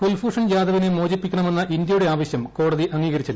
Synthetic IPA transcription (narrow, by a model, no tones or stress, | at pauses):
fulfuːʂɐnd͡ʑaːd̪ɐʋinemoːd͡ʑipːikʲːɐɳɐme̞nːɐʔind̪jɐjuɽe̞aːʋɐɕjɐmko̞ːɽɐðiʔɐŋːiːɣɐɾit͡ɕːɐð